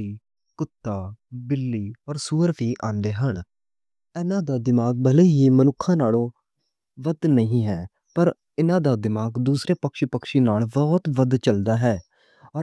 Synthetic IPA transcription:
iː | kʊt̪ːaːbɪlːiːɔːɾsuːɾpʰiːʔãːnd̪eːɦəɳ | ɛːnãːd̪aːd̪ɪmaːɡ̚bəleːɦiːmənʊkʰːãːnaːlõː | ʋəd̪nəɦĩːɦɛː | pəɾ | ɪnãːd̪aːd̪ɪmaːɡd̪uːsɾeːpəkʃiːpəkʃiːnaːlbɔːt̪ʋəd̪t͡ʃəld̪aːɦɛː | ɔː

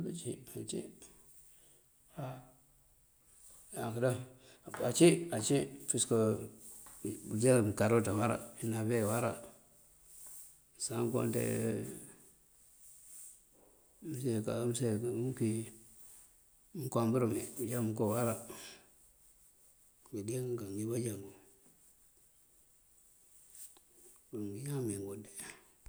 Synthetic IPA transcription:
bit͡ʃiat͡ʃḭ | ha | akada | at͡ʃiat͡ʃifisko | ud͡ʒekaɾotawaɾa̰inavewaɾa | saŋko̰ntḛ | msekamseki | mkʷambuɾumebud͡ʒamukowaɾa | ɡidekaŋɡibad͡ʒaŋɡu | uŋɡiɲameŋɡonde

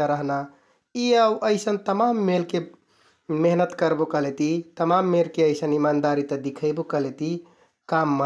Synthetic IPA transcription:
əɾəɦna | iəwʔəɪsənt̪əmamːelke | meɦnət̪kəɾbokəɦlet̪it̪əmamːelkeəɪsənimand̪aɾit̪əd̪ikʰəɪbokəɦlet̪i | kamːə

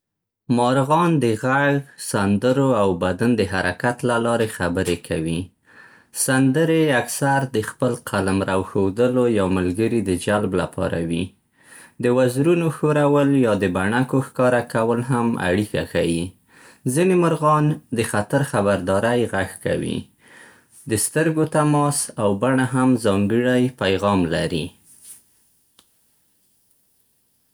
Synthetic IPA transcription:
mɑɾɣɑnd̪əɣaɣsand̪əɾoawbad̪and̪əɦaɾakat̪lalɑɾexabəɾekʰawi | sand̪əɾeaksaɾd̪əxpəlqʰalamɾawxod̪əlojawmalɡəɾid̪əd͡ʒalbla̰pʰɑ̰ɾa̰wi | d̪əwazɾunoxoɾawəljɑd̪əbaɳakoxkɑɾakawəlɦama̰ɽika̰xawi | zinemʊɾɣɑnd̪əxat̪aɾxabaɾd̪ɑɾajɣaxka̰wḭ | d̪əst̪əɾɡot̪amɑsawbaɳaɦamzɑŋɡəɽajpajɣɑmlaɾi

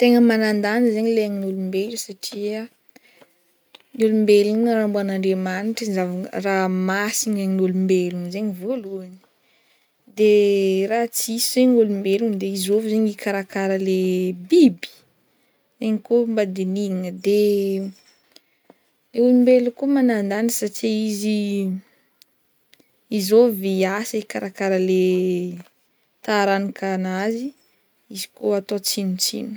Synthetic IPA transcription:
t̪eŋəmanand̪anəzeɲileaŋinulumbelusaʈ͡ʂiə | ɲulumbelunɾambuanaɳɖ͡ʐemaniʈ͡ʂizavaŋəramasiɲaŋinulumbelunzeɲivoluani̥ | d̪erat͡siseɲulumbelund̪eizovizeɲikʰaɾakaɾəlebibi̥ | eɲikombad̪eniiŋəd̪e | eulumbelukumanand̪anisaʈ͡ʂiizi | izoviasəikaɾakaɾəle | t̪aɾanikʰanazi | izi̥koat̪ot͡sinut͡sḭnu̥

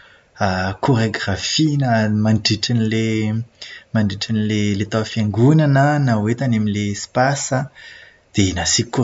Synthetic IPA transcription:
akʰoɾeɡrafinamaɳɖ͡ʐiʈ͡ʂanile | maɳɖ͡ʐiʈ͡ʂanlelet̪awfjaŋɡunanənawet̪anamilespasa | d̪̥enasiko

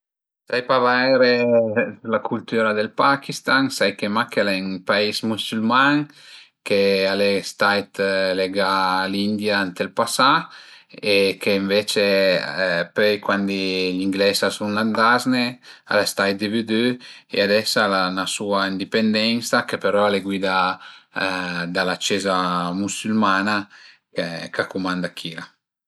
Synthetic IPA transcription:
sajpavajɾe | lakʰult̪yɾad̪elpakist̪aŋsajkemakelɛnpaismusylmaŋ | kealest̪ajt̪leɡalind̪jaant̪elpasa | ekeːɱvet͡ʃe | pɛjkwand̪iliŋɡlɛsasunland̪aznea̰lest̪ajt̪̚d̪evyd̪øḛad̪ɛsalanasuaind̪ipend̪ɛnsakepeɾɔaleɡwid̪a | d̪alat͡ʃezamusylmana | kekakumãnd̪akʰiɾa

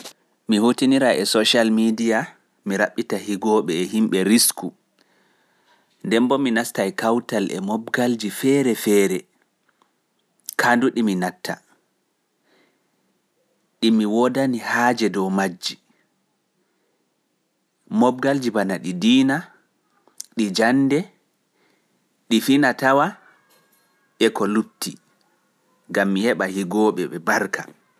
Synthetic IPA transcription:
mihutiniɾaʔɛsɔʃalmidija | miɾaɓːitahiɡɔɓɛːɦimɓɛɾisku | ndɛmbɔminastajkawtalʔɛ̰mɔbɡald͡ʒifɛɾɛfɛːɾɛ | kʰanduɗiminatʰːa | ɗimiwɔdanihaːd͡ʒɛdɔwmad͡ʒːi | mɔb̚ɡald͡ʒibanaɗidiːna | ɗid͡ʒanːdɛ | ɗifinatawa | ʔɛkɔlup̚ti | ŋɡamːihɛɓahiɡɔːɓɛɓɛbaɾkʰa̰

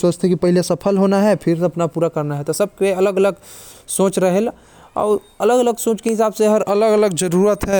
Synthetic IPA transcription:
soːt͡ʃt̪ʰekipɐɦɪlesɐpʰəlɦoːnaɦɛpʰɪɾɐpnapuːɾakɐɾnaɦɛt̪osəb̚keɐləɡələɡ | soːt͡ʃɾəɦel | ɔ̰ːɾ | ɐləɡələɡsõːt͡ʃkeɦɪsaːbseɦəɾɐləɡələɡd͡ʒəɾuːɾət̪ɦɛ

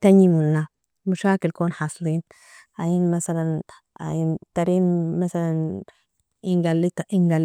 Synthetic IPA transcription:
t̪anjimulna | muʃaːkilkoːnħɑsˤliːn | ʔajinmasalan | ʔa̰jint̪aɾiːnmasalan | iŋɡalːit̪iŋɡal

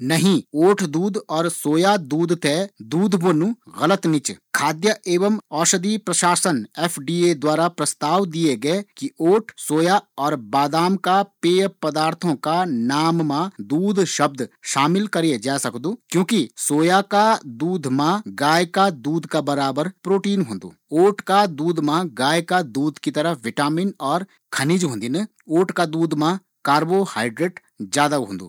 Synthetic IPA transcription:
nɐɦĩoːʈʰd̪uːd̪ɔːɾsoːjad̪uːd̪ʱt̪ʰed̪uːd̪ʱbonũɣɐlət̪nɪt͡ʃkʰaːd̪jəʔeːʋəmɔːʃəd̪ipɾɐʃaːsəneːpʰɖiːed̪waːɾapɾɐst̪aːʋd̪ijeɡɐekioːʈʰsoːjaɔːɾbaːd̪aːmkapeːpɐd̪aːɾt̪ʰõkanaːmːãd̪uːd̪ʱʃɐb̚d̪ʃaːmɪlkɐɾied͡ʒaːsɐkd̪uːkjõːkisoːjakad̪uːd̪ʱmãɡaːjkad̪uːd̪ʱkabɐɾaːbəɾpɾoːʈiːnɦõːnd̪ṵːoːʈʰkad̪uːd̪mãɡaːjkad̪uːd̪kit̪ɐɾəʋɪʈaːminɔːɾ | kʰɐniːd͡ʒɦõːnd̪inɐ | oːʈkad̪uːd̪mã | kaːɾbohaːɪɖɾeʈ | d͡ʒjaːd̪aɦõ̰ːnd̪ṵː

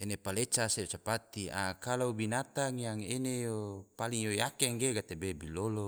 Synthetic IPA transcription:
enepalet͡ʃaset͡ʃapat̪ia̰kalaubinat̪aŋjaŋenejopaliŋjojakeŋɡeɡat̪ebebilolo

